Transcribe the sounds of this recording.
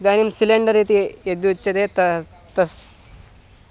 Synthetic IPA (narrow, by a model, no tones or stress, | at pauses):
d̪aːnimsileɳɖɐɾiːt̪ied̪ut͡ʃːɐd̪et̪ɐ | t̪ɐs